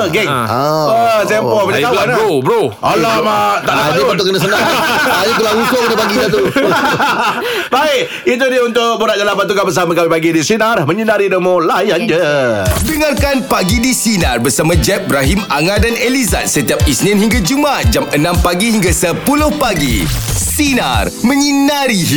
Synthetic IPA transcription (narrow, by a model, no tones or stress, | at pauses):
ɡɛŋ | ət̪ɛmpɔpaɲakalanɾobɾo | alamat̪aʔadipant̪̬ukəndas̬ənaajik̬ulausokənapaɡid͡ʒat̪u | baɪk | it̪̬udiəunt̪ʊk̚buɾat̪̚d͡ʒalapant̪ukabəs̬amãkawipaɡidisinarmə̃ɲinaɾidəmõlajand͡ʒədəŋarkanpaɡidisinarbərsamãd͡ʒɛp̚bɾaɦimaŋãdaneliza̰t̪̚sət̪iap̚isnĩnhiŋɡad͡ʒumat̪̚d͡ʒamənãmpaɡiɦiŋɡasəpulʊhpaɡḭsina̰rmə̃ɲinaɾi